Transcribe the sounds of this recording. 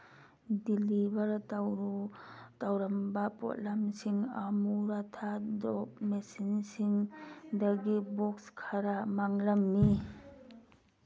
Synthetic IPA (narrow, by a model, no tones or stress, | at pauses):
dilibɐɾ | tawɾɐmbɐpɔ̰tlamsiŋa̰muɾatʰadɔp̚mesinsiŋdɐɡibɔkskʰaɾamaŋlɐmːi